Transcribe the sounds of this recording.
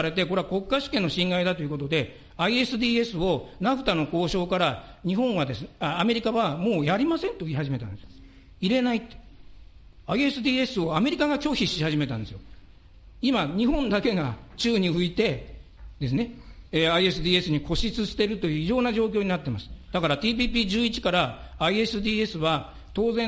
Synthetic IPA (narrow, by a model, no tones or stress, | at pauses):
ɾe̞t̪e̞ko̞ɾe̞ako̞kːaɕɨ̥kenːo̞ɕĩŋɡaid̪at̪o̞jiɯ̟ko̞t̪o̞d̪e̞ | aie̞sɨd̪ʲiːe̞sɨo̞naɸɯ̟̥t̪ano̞ko̞ːɕo̞ːkaɾaɲ̟iɦõ̞ɰ̃βad̪e̞sɨnaːme̞ɾʲikaβamo̞ːjaɾʲimasẽ̞nt̪o̞iɦaʑime̞t̪ã̰nd̪e̞sɨ̥o | iɾe̞nait̪ːe | aie̞sɨd̪iːe̞sɨo̞ame̞ɾʲikaɡakʲo̞ːçiɕihaʑime̞t̪ã̰nd̪sɨjo | imaɲ̟iɦõ̞nd̪ake̞ɡat͡ɕɨːɲ̟ihɯ̟it̪e̞ | d̪̥e̞s̬ɨne̞eaie̞sɨd̪ʲiːe̞sɨɲ̟ikʰo̞ɕit͡sɨɕt̪e̞ɾɯ̟t̪o̞jɯ̟ːiʑo̞ːnaʑo̞ːkʲo̞ːɲ̟inat̪ːe̞masɨ̥d̪̥akaɾat̪iːp̬ʲiːp̬ʲiːd͡ʑɨːit͡ɕi̥kaɾaː | ie̞sɨd̪ʲiːe̞sɨβa | t̪o̞ːzẽ̞